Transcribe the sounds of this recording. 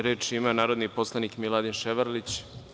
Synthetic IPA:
ɾeːt͡ʃimanaːɾo̞d̪niposlˠanikmilˠad̪inʃeʋaɾlit͡ɕ

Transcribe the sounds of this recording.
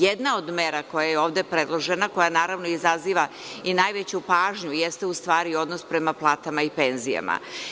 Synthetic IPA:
jed̪nao̞d̪meːɾako̞jajeo̞ːʋd̪epɾed̪lˠo̞ʒenako̞janaːɾaʋno̞izaziʋa | inajʋet͡ɕupaːʒɲujest̪eust̪ʋaːɾio̞d̪nospɾe̞maplˠaːt̪amaipenzija̰ma̰

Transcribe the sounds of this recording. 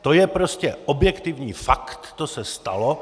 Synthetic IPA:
t̪o̞jɛpɾoscɛʔobjɛkt̪ɪvɲiːfakt̪ːosɛst̪alo

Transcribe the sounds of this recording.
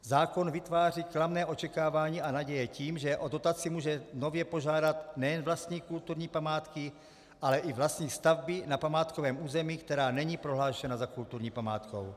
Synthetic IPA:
zaːko̞nvɪt̪vaːr̝iːklamnɛːʔo̞t͡ʃɛkaːvaːɲiːʔanaɟɛjɛciːmʒɛʔodo̞t̪at͡simuːʒɛno̞vjɛpo̞ʒaːdat̪nɛjɛnvlast̪ɲiːkult̪uɾɲiːpamaːt̪kɪ | ʔalɛʔivlast̪ɲiːst̪avbɪnapamaːt̪kovɛːmʔuːzɛmikt̪ɛɾaːnɛɲipɾoɦlaːʃɛnazakult̪uɾɲiːpamaːt̪kʰo̞w

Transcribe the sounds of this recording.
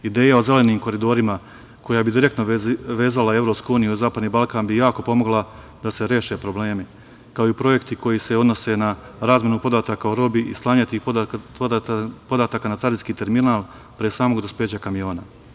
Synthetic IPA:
id̪e̞ːjao̞ze̞leniːmko̞ɾid̪o̞ɾima | kʰo̞jabid̪iɾe̞k̚t̪noʋe̞ːzalae̞vɾo̞pskuuːnijuizaːpad̪niːbalkaːnbijaːko̞po̞mo̞ɡlˠa | d̪ase̞ɾe̞ːʃe̞pɾo̞ble̞ːmi | kaoipɾo̞je̞kt̪iko̞jise̞o̞d̪no̞se̞na | ɾaːzmjenupo̞d̪aːt̪akaoɾo̞biʔislˠaːɲat̪iː | po̞d̪aːt̪aːkanat̪saɾiskiːt̪e̞ɾminaːlˠ | pɾesaːmo̞ɡd̪ospeːt͡ɕakamijo̞ːna

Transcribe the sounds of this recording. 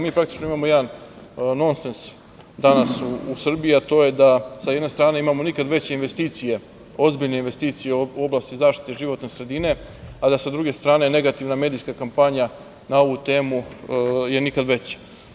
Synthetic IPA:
miːpɾak̚t̪i̥t͡ʃno̞imaːmojed̪anno̞nsens | d̪anasuusr̩biiat̪o̞ːje̞d̪asaje̞d̪ne̞st̪ɾaːne̞imaːmo̞nikad̪ʋe̞t͡ɕe̞inʋe̞st̪iːt̪sije̞ | o̞zbiʎne̞inʋe̞st̪iːt̪sijeuo̞blˠaːst̪izaːʃt̪i̥t̪eʒiʋo̞t̪nesɾe̞d̪ine̞ | ad̪asad̪ɾuɡe̞st̪ɾaːne̞ne̞ɡat̪iʋname̞d̪ijskakampaɲa | nao̞ʋut̪e̞ːmuje̞nikad̪ʋe̞t͡ɕe̥

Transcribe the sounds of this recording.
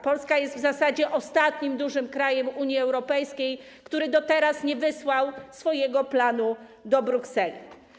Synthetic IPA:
pɔlskajɛst̪vzasad͡ʑɛʔɔst̪at̪ɲimd̪uʐɘmkɾajɛmuɲjiɛwɾɔpɛjskʲej | kt̪uɾɘd̪ɔt̪ɛɾasɲɛvɘswawsfɔjɛɡɔplanu | d̪ɔbɾuksɛlʲḭ

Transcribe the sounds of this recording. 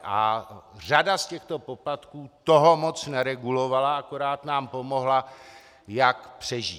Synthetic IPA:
ʔar̝adascɛxt̪o̞poplat̪kuːt̪o̞ɦo̞mo̞t͡snɛɾɛɡulo̞valaakoɾaːt̪naːmpo̞mo̞ɦla | jakpr̝̥ɛʒiːt̪

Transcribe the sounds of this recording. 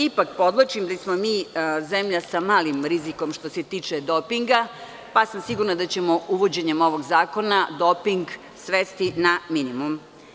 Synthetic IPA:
ipakpo̞d̪lˠat͡ʃimd̪asmomiːzemʎasamaːlimɾiziko̞mʃt̪o̞se̞t̪iːt͡ʂed̪opiŋɡa | pasamsiɡuɾnad̪at͡ɕe̞mo̞uʋo̞d͡ʑe̞ɲe̞mo̞ʋo̞ɡzaːko̞nad̪o̞piŋɡ | sʋest̪inaminimum

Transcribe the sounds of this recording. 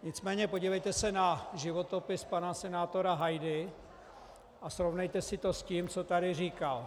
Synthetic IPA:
ɲɪt͡smɛːɲɛpo̞ɟiːvɛjt̪ɛsɛnaʒɪvo̞t̪o̞pɪspanasɛnaːt̪o̞ɾaɦajdɪ | ʔasɾovnɛjt̪ɛsɪt̪o̞sciːmt͡so̞t̪aɾɪriːkal

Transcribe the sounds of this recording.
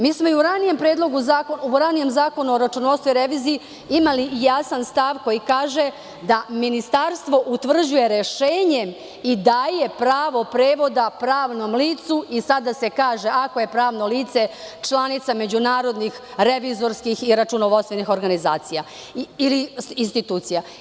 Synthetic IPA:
miːsmo̞iuɾanije̞mpɾe̞ːd̪lˠo̞ɡuzaːkouɾanije̞mzaːko̞nuoɾat͡ʃunoʋost̪oiɾeʋiːziji | imalijasanst̪aʋko̞jikaːʒe | d̪aminist̪aɾst̪ʋo̞ʔut̪ʋr̩d͡ʑuje̞ɾeʃeːɲem | id̪aje̞pɾaːʋo̞pɾeːʋo̞d̪apɾaːʋno̞mliːt̪suisad̪ase̞kaːʒe̞ʔakoje̞pɾaːʋno̞liːt̪se̞ | t͡ʃlˠanit̪same̞d͡ʑunaːɾo̞d̪nix | ɾe̞ʋizo̞ɾskixiɾat͡ʃunoʋost̪ʋenixo̞ɾɡanizaːt̪sija | iliinst̪it̪uːt̪sija

